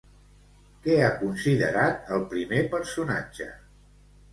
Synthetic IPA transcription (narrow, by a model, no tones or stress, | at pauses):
kɛakunsiðə̰ɾat̪̚əlˠpɾimepəɾsuna̰d͡ʒə̰